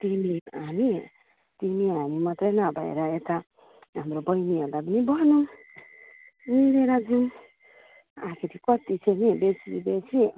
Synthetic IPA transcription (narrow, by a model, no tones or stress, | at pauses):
t̪imiami | t̪imiamimat̪ɾenabaḛɾaet̪a | amɾobʌjniad̪abinibʌnum | ileɾad͡ʒum | akʰit̪ʰikɔt̪isʰenibeslḭbesʰi